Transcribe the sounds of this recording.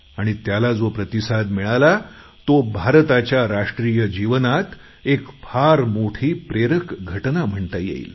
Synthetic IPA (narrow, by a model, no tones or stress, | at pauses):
aɽ̃it̪jalad͡zopɾət̪isad̪miɭala | t̪obʱaɾt̪at͡ɕjaɾaʂʈɾijəd͡ʑiʋənat̪ | ekfʰaɾmoʈʰiːpɾeɾəkɡʱəʈnam̤əɳt̪ajḛḭːl